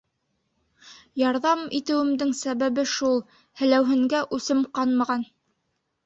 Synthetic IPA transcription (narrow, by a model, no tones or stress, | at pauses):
jɑɾðɑmit̪ɘ̆wɘ̆md̪ɘŋsæβæβɘʃulˠ | hɘ̆læwɦɘ̆ŋɡæʔʉsɘmqɑnmɑʁɑn